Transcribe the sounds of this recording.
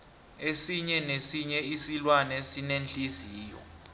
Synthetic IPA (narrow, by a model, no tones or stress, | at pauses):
esiɲɛnesiɲɛisilwanɛsinend͡ɮʼiziːjɔ̰